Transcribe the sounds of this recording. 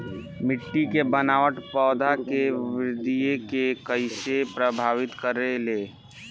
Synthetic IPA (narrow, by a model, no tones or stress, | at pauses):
mɪʈːikebənaːʋəʈpɔːd̪ʱakeʋɾɪd̪ijekekəɪsepɾəbʱaːʋɪt̪kəɾeleː